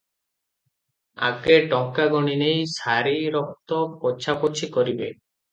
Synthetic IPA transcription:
a̰keɖɔŋkaɡɔɽ̃inejsaɾiɾɔk̚t̪ɔpɔt͡ʃʰapot͡ʃʰikɔɾibe

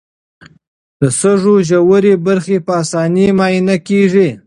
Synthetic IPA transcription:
d̪̥əsəʐoʒawəɾebaɾxepəasɑnimɑinakeʐi

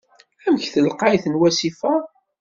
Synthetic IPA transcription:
æmçθəlqajθənwæsifæ

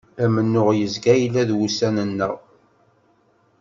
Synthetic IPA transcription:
æmənːʊʁjəzɡæjlːæðwusænənːəʁ

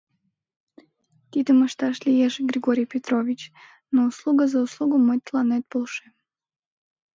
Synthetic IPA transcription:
t̪ʲit̪əməʃt̪aʃlʲijeʒɡɾʲɪɡoɾʲijpʲet̪ɾovʲit͡ɕ | nouslˠuɡəzɐuslˠuɡʊmɨt̪̚ʲlˠanɛt̪̚bolˠʃɛ

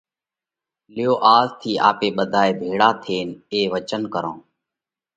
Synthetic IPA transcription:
lɪjoːʔaːzt̪ʰiːʔaːpeːɓəd̪ʱaːeːbʱeːɽaːt̪ʰeːneːʋət͡ʃənkəɾõː

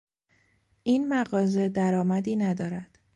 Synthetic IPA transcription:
iːnmæɣɒːze̞d̪æɾɒːmæd̪iːnæd̪ɒːɾæd̪̥

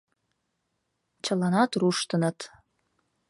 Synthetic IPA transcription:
t͡ɕə̆lˠɑnɑt̪ɾuʃt̪ə̆nət̪

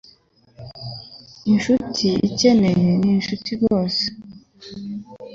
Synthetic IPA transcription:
inʃutʰiḭce̞ne̞je̞ninʃutʰizoːse̥

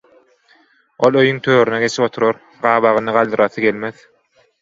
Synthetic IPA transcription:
o̞lˠøjyŋt̪ʰøːɾyneɡe̞t͡ʃʰipo̞t̪ʰuɾoɾ | ɢɑːβɑʁɯnɯʁɑlˠd̪ɯɾɑθɯɡe̞lme̞ð

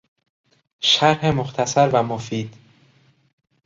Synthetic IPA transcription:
ʃæɾhemoxt̪ʰæsæɾvæmofiːd̪̥

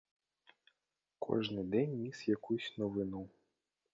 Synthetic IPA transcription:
kʰɔ̰ʐnɨd̪ɛnʲːisjakusʲnɔvɨnu

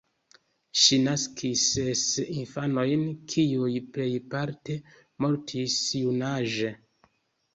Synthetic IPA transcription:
ʃinaskʰisesinfano̞jnkʰiujple̞jpaɾte̞ | mo̞ɾtʰisjunaʒe

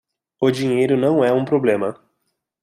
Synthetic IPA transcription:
ʊd͡ʒĩɲejɾʊnɐ̃w̃ɛũpɾoblẽmɐ

